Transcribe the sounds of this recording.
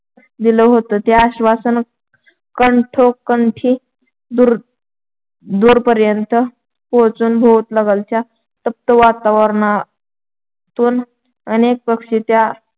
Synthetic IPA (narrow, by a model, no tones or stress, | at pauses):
d̪iləɦot̪ət̪jaːɕʋasən | kəɳʈʰokːəɳʈʰi | d̪uɾ | d̪uːɾpəɾjənt̪ə | pot͡suːnbʱot̪ləɡəlt͡ɕja | t̪əp̚t̪əʋat̪aʋəɾɳa | t̪uːn | ənek̚pəkʂit̪ja